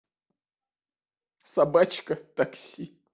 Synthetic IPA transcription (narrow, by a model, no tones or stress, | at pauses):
sɐbat͡ɕkət̪ɐksʲi